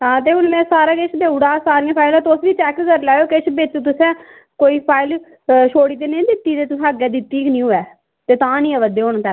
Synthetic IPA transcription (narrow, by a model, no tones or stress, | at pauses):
ɦãːt̪̬eːʊnmɛ̃ːsaːɾaːkɪt͡ʃʰb̪eːuɽaːsaːɾɪ̃ãːpʰaːɪlɛ̃ːt̪ʊsʋiːt͡ʃɛːkkəɾlaːjoːkɪt͡ʃʰbet͡ʃt̪ʊsɛ̃ː | koːiːpʰaːɪl | ʃʰoːɽiːt̪eːnẽːd̪ɪt̪ːiːt̪eːt̪ʊsəɡɛːd̪ɪt̪ːiːknĩːɦoːɛː | t̪eːt̪ãːnĩːɛːʋəd̪eːʊñt̪ɛ